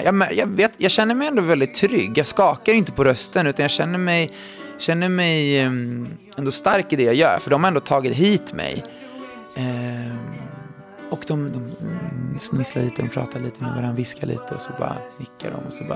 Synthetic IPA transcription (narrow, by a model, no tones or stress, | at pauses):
jɑɡmæjɑːveːt̪jɑɡɕɛnːəɾmɛjɛnd̪oːvɛld̪ɪt̪ʰːɾʏ̰ɡːjɑːɡskɑːkaɾjʏɪnt̪əpʰɔɾœst̪ənʉ̟ːt̪anjɑːɕɛnːəɾmɛj | ɕɛnːəɾmɛj | ɛnd̪ɔst̪aɾkɪd̪ɛjɑːɡjœ̰ːɾfœɖɔmhaɾɛnd̪oːt̪ʰɑːɡɪt̪ɦiːt̪mɛ̰j | ɔkd̪ɔmd̪ɔm | snɪslaɭiːt̪əd̪ɔmpʰɾɑ̰ːt̪ʰaɭiːt̪əmɛ̰vaɾanvɪskaɭḭːt̪əɔsɔbɑ̰ːɾa̰nɪkːa̰ɖɔ̰mɔsɔb